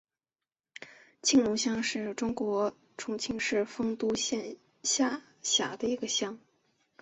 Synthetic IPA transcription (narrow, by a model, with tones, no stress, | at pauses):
t͡ɕʰi˥˩ŋlʊ˧˥ŋɕjɑ˥ŋʂɻ̩˥˩ʈ͡ʂʊ˥ŋkwɔ˧˥ | ʈ͡ʂʰʊ˧˥ŋt͡ɕʰi˥ŋʂɻ̩˥˩fɤ˥ŋt̪u˥ɕjɛ˥˧n | ɕja˥˩ | ɕja̰˨˩d̪ə˦˧i˧˥ɡə˧ɕjɑ˥ŋ